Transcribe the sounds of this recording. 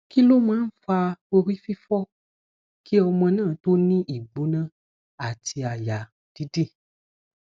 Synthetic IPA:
ki˦lo˦mã˦n̩˦fa˧we˧wi˦fi˦fɔ˦ | ki˦o˨˧mɛ̃˧nã˦˨t̪o˦nĩ˦ʔi˨ɡ͡bo˨˦nã˦ | a˨ti˨˧a˨ja˨ | d̥i˦di˦˨

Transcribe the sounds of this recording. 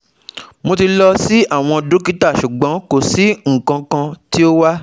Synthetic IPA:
mo˧ti˧lɔ˧si˦a˦˨w̃ɔ̃˧du˨˦ki˦ta˦˨ʃu˨ɡ͡bɔ̃˨˦ko˨si˨˦ŋ̩˨kã˧kã˧ti˦o˦wa˦

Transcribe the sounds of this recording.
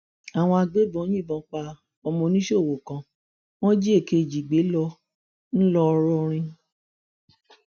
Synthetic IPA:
a˨w̃ɔ̃˧a˧ɡ͡be˦bɔ̃˨˦jĩ˦˨bɔ̃˧˨˦k͡pa˧ | ɔ˧mɔ̃˧nĩ˦ʃo˦˨wo˨kã˧ | w̃ɔ̃˦d͡ʒi˦e˦˨ke˧˨d͡ʒi˨ɡ͡be˨˦lɔ˧ | n̩˦lɔ˧ɾɔ˧ɾ̃ĩ˧

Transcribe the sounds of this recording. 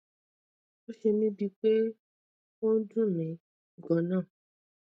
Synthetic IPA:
o˦ʃe˧mĩ˦bi˧k͡pe˦ | wo˦dũ˦mĩ˨ | ɡɔ˨nãː˦˨

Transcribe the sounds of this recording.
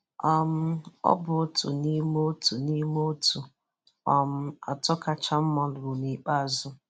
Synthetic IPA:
ɔ˨m̩˦ɔ̰˦bʊ˨˦tṵ˨ni˦mo˦o˦tu˨ni˦mo˦o˦tu˨ | ɔ˨m̩˦a̰˨tɔ˦ka˦t͡ʃa˦m̩˦mɔ˦dʊ˨ɾʊ˨ni˨k͡pa˦˨zʊ˦

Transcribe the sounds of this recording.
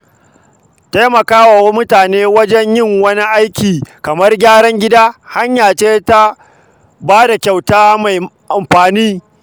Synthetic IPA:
ta˦jmɐ˨kaː˦wa˨wa˦mʊ˦taː˨neː˦wɐ˦d͡ʒɛ˦ɲjɪ˦˨ŋwɐ˦ni˦ʔa˦jkʲiː˨kɐ˨mɐ˦rɡʲaː˦ɽɐ˦ŋɡʲɪ˦daː˦ha˦ɲjaː˨t͡ʃeː˦ta˦ | baː˦da˨kʲa˨wtaː˦ma˨jʔa˨mɸaː˨niː˦

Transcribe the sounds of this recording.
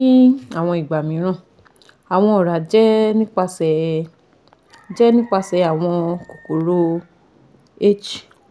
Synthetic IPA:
ĩ˦a˦˨w̃ɔ̃˧i˨ɡ͡ba˨mĩ˨˦ɾ̃ã˦˨ | a˨w̃ɔ̃˧o˨ɾa˨d͡ʒɛ˦nĩ˦k͡pa˧sɛ˧˨ | d͡ʒɛ˦nĩ˦k͡pa˧sɛ˧a˨w̃ɔ̃˧ko˨ko˨ɾo˦ | e˦t͡ʃi˨

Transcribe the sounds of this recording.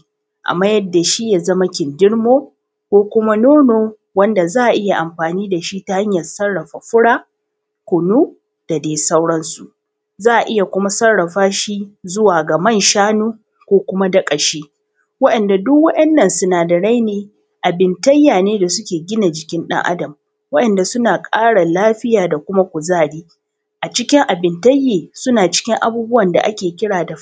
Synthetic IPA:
ʔa̰˨mːaː˦jɐ˦dːa˨ʃi˦ja˨zɐ˦ma˦kʲɪ˨ndɪ˦ɽmoː˦ | kʷoː˦kʷʊ˦ma˦noː˦noː˨ | wɐ˦nda˨zaː˦ʔa˨ʔɪ˦ja˨ʔa˨mɸaː˨niː˦da˨ʃi˦ta˦ha˦ɲjɐ˨sɐ˦ɽːɐ˨ɸa˨ɸʊ˦ɽaː˦ | kʷʊ˨nuː˦ | d̥a˨deː˨sa˦wɽɐ˦nsu˨ | zaː˦ʔa˨ʔɪ˦ja˨kʷʊ˦ma˦sɐ˦rːɐ˨ɸaː˦ʃi˦zʊ˦waː˨ɡa˨mɐ˦˨nʃaː˦nuː˦ | kʷoː˦kʷʊ˦ma˦dɐ˦kʼɐ˨ʃeː˦ | wɐ˦ɗɐ˨nda˨dʊ˦kwɐ˦ʔɛ˦nːɐ˨nsʊ˦naː˨dɐ˨ɽa˦jneː˨ | ʔa˨bɪ˨ntɐ˦jːaː˨neː˦da˨sʊ˦kʲeː˨ɡʲɪ˦na˨d͡ʒɪ˨kʲɪ˦nɗɐ̰˦ŋʔa̰˦dɐ˨m | wɐ˦ɗɛ˨nda˨sʊ˦naː˨kʼaː˦ɽa˨laː˦ɸɪ˦jaː˨da˨kʷʊ˦ma˦kʷʊ˨zaː˦˨ɽiː˦ | ʔa˨t͡ʃɪ˦kʲɪ˦ŋʔa˨bɪ˨ntɐ˦jːeː˨sʊ˦naː˨t͡ʃɪ̥˦kʲɪ˦ŋʔa̰˨buː˦bʊ˦wɐ˨nda̰˨ʔa˦kʲeː˨kʲɪ˦ɽaː˨da˨

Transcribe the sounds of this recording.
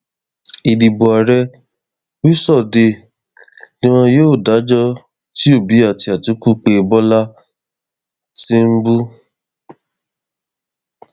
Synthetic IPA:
i˨di˨bɔ˨a˨ɾɛ˧˦ | i˦sɔ˦˨de˧ | nĩ˦w̃ɔ̃˧joː˦˨da˨˦d͡ʒɔ˦ | ti˦o˦˨bi˨˦a˦˨ti˧a˨tu˨˦ku˦˨k͡pe˧bɔ˦la˦ | ti˦m̩˦bu˦

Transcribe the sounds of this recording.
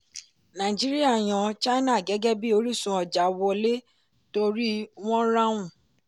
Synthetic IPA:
nã˨i˨d͡ʒi˦ɾi˦a˦˨j̃ɔ̃˨˧t͡ʃa˦i˦nã˦˨ɡɛ˨˦ɡɛ˦bi˦o˧˦ɾi˦sũ˧ɔ˨d͡ʒa˨wɔ˧le˦ | to˧ɾi˦w̃ɔ̃˦ɾã˦w̃ũ˦˨

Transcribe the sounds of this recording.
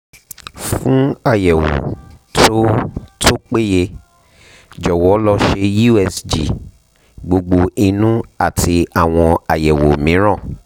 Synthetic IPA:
fũ˦a˦˨jɛ˨wo̰˨tʰo˦tʰo˦k͡pe˦je˧ | d͡ʒɔ˨wɔ˨˦lɔ˦ʃe˧ju˦ɛ˧sd͡ʒi˨ | ɡ͡bo˧ɡ͡bo˧i˧nũ˦a˦˨ti˧a˨w̃ɔ̃˧a˨jɛ˨wo˨mĩ˨˦ɾ̃ã˦˨

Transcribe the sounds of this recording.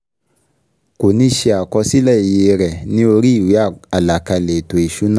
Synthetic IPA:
ko˨nĩ˧˦ʃe˧a˨kɔ˧si˦lɛ˦˨i˨je˧ɾɛ˨nĩ˧˦o˧ɾi˦i˨wi˨˦a˦˨a˨la˨ka˧le˨to˨i˨ʃu˨˦nã˦

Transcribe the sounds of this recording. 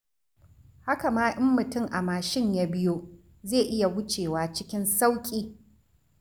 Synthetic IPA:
ha˦ka˨maː˦ʔɪ˦mːʊ˨tʊ˦˨ŋʔa˨maː˨ʃɪ˦ɲjaː˦bɪ˦joː˦ | zeː˦˨ʔɪ˦ja˨wʊ˦t͡ʃeː˨waː˨t͡ʃɪ˦kʲɪ˦nsa˦wkʲʼiː˦

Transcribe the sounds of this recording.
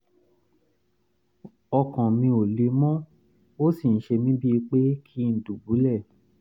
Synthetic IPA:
ɔ˧kã˨mĩ˧o˨le˨˦mɔ̃˦ | o˦si˦˨ñ̩˦ʃe˧mĩ˦bi˦i˧k͡pe˦kʰi˦n̩˨du˨bu˨˦lɛ˦˨

